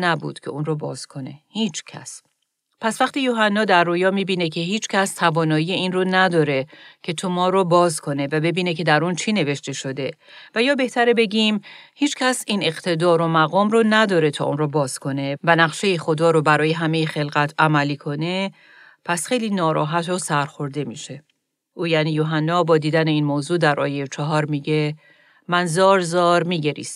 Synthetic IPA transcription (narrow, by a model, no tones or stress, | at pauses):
næbṵːd̪̥cʰe̞̰uːnrobɒ̰ːz̥kʰo̞ne̞̰hiːt͡ʃʰcʲʰæ̰s | pʰæsvæxt̪iːjoɦænːɒːd̪æɾːojɒːmiːbiːnecʰe̞ɦiːt͡ʃʰcʰæst̪ʰævɒːnɒːiːjeiːnronæd̪ɒːɾe̞cʰet̪ʰomɒːɾobɒːzkʰo̞ne̞væbe̞biːne̞cʰe̞d̪æɾunt͡ʃʰine̞ve̞ʃt̪e̞ʃo̞d̪e̞ | væjɒːbe̞ht̪ʰæɾebe̞ɟʲimhiːt͡ʃcʰæsiːne̞qt̪ʰe̞d̪ɒːɾomæɣɒːmɾɔnæd̪ɒːɾe̞t̪ʰɒ̰ːʔṵnɾɔbɒːz̥kʰo̞ne̞vænæɣʃe̞jixo̞d̪ɒːɾobæɾɒːje̞ɦæmejexe̞lɣæt̪ʰæmæliːkʰo̞ne̞ | pʰæsxe̞jliːnɒːɾɒ̰ːɦæt̪ʰɾosæɾxo̞ɾd̪e̞miːʃe̞ | ʔuːjæːniːjoɦænːɒːbɒːd̪iːd̪æne̞iːnmoːzuːd̪æɾʔɒ̰ːjejet͡ʃʰɒɦɒːɾmiːɟe̞ | mænzɒːɾzɒːɾmiːɟe̞ɾḭːs